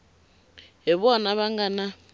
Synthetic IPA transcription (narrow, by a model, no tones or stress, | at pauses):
ɦɛβɔnaβaŋɡana